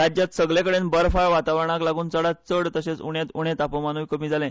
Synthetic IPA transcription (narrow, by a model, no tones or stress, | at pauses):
ɾad͡ʑjat̪səɡlekəɽenbəɾfaɭʋat̪aʋəɾɳ̃aklaɡuːnt͡səɽat̪̚t͡səɽt̪əɕet͡suɽjet̪uɽ̃et̪apəmanuʋkəmiːd͡zʱalẽ